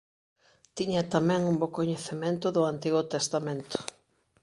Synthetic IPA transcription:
t̪iɲat̪amɛ̃ŋumbokoɲeθemẽnt̪ʊðʊant̪iɣʊt̪est̪amẽnt̪ʊ̥

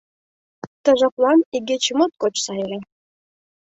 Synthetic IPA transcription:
t̪ɤ̆ʐɑklˠɑniɡʲet͡ɕimot̪̚kot͡ɕsɑjɾʲe

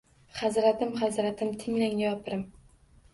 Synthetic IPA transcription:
χazɾat̪ɪmχazɾat̪ʰɪmt̪ʰɪŋlaŋɪjɒpʰɾɪm

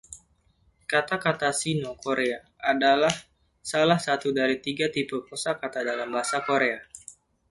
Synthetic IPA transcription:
kat̪akat̪asinokoɾeaː | dalah | salahsat̪udaɾit̪iɡat̪ipurkosakat̪adalambaɦasakoɾea

